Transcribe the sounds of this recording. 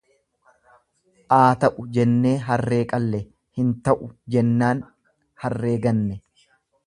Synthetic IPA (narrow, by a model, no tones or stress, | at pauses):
ʔaːt̪ɐʔʊd͡ʒɛnːe̞ːɦɐrːe̞ːkʼɐlːɛ | hɪnt̪ɐʔʊd͡ʒɛnːaːn | hɐrːe̞ːɡɐnːɛ